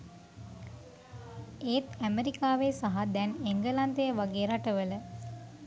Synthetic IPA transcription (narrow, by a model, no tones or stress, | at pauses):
eːt̪æmeɾikaːʋeːsaɦad̪ɛneŋɡəlant̪ejəʋaɡeːɾaʈəʋələ